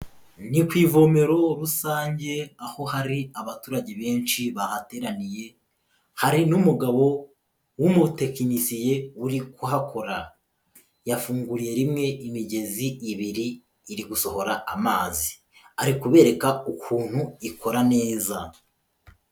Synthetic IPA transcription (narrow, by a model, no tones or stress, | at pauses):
nikwiːvo̞me̞ɾo̞ɾusaːɲɟe̞aho̞haɾiaβatuːɾaɟe̞βe̞ːnʃiβahate̞ːɾanije̞ | haɾinumuɡaβo̞ | wumute̞kinisije̞uɾikuɦakʰo̞ɾa | jafuːŋɡuɾije̞ɾimŋe̞ʔimiɟe̞ziːβiɾiː | ɾiɡuso̞ho̞ɾaamaːzi̥ | aɾikuβe̞ːɾe̞kaukʰuːn̥huikʰo̞ɾane̞ːza